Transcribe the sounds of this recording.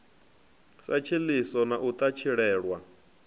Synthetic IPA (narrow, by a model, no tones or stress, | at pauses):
sat͡ʃʰilisɔnaʔut̪ʼat͡ʃʰiɺɛːɺwa